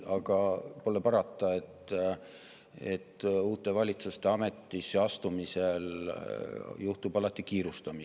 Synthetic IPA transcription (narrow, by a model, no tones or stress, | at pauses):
ɑɡ̥ɑpo̞lepɑɾɑt̪ːˑɑe̞t̪ː | e̞̰t̪ːuːt̪ːˑe̞vɑlʲit̪sust̪e̞ɑme̞t̪ːisːeɑst̪umise̞l | juht̪ubɑlɑt̪ːˑikiːɾust̪ɑmi